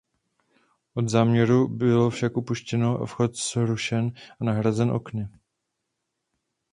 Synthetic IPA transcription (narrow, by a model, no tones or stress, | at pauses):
ʔo̞d̪zaːmɲɛɾubɪlo̞fʃakʔupuʃcɛno̞a̰fxo̞t̪z̥ɾuʃɛnʔanaɦɾazɛnʔo̞̰knɪ